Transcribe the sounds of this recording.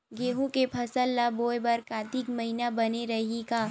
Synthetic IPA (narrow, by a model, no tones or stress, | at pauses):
ɡeːɦũkepʰɐsəlːaboːjbɐɾkaːt̪ikmɐɦinabɐneɾɐɦikaː